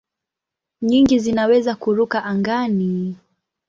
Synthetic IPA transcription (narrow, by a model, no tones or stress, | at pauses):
ɲiŋɡizinawɛzakuɾukaʔaŋɡani